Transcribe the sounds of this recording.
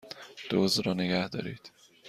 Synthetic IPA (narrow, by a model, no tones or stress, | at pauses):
d̪̥oːzɾɒːneɡæhd̪ɒ̰ːɾiːd̪̥